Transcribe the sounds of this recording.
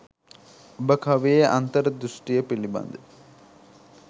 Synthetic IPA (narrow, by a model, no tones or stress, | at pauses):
obəkʰɐʋejəʔa̰nt̪əɾəd̪ɾusʈijəpiliba̰nd̪e